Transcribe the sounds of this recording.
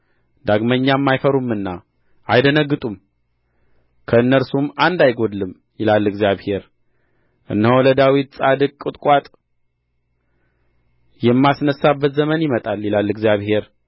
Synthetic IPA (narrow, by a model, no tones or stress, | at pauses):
d̪aɡməɲːamːajfəɾumːɨnːa | ʔajd̪ənəɡːɨt̪ʼum | kʰəɨnːəɾsumand̪ajɡo̞d̪lɨm | jɪlalːɨɡzjaβhe̞ɾ | ʔɨ̰nːhowləd̪awit̪̚sʼad̪ɨkʼkʼːɨt̪ʼkʼat̪ʼ | jɛmːasnəsabːət̪zəmənjɪmət̪ʼaljɪlalːɨɡzjaβhe̞ɾ